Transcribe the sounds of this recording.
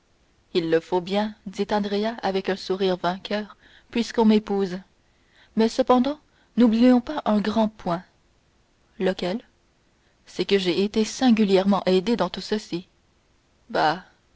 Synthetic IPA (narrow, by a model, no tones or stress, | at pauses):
ilːəfobjɛ̃d̪it̪ɑ̃d̪ʁeaavɛkœ̃suʁiːʁvɛ̃kʲʰœːʁ | pɥiskɔ̃mepuːz | mɛsəpɑ̃d̪ɑ̃ | nublijɔ̃paʔɛ̃ɡʁɑ̃pwɛ̃ | ləkʲɛl | sɛkəʒeet̪esɛ̃ɡʲyljɛʁmɑ̃ʔed̪ed̪ɑ̃t̪usəsi | ba